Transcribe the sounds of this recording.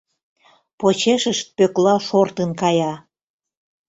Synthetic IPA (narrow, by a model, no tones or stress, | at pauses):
pot͡ɕeʃəʃt̪̚pøklɑʃort̪ənkɑjɑ